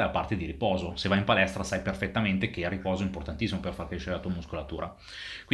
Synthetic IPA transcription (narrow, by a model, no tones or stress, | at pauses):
lapart̪ed̪iɾipɔːzosevːajimpalɛst̪ɾasajperfet̪ːament̪ekearːipɔːzoimport̪ant̪isːimoperfarkɾeʃːeɾelat̪uːamuskolat̪ṵːɾʔa̰ | kwi